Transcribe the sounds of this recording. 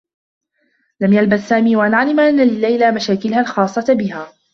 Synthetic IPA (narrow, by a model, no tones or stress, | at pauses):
lamjalbaθːaːmiːwaʔanaʕlɪmʔanːalɪlːajlamaʃaːkɪlhalxɑːsˤːɑbɪɦaː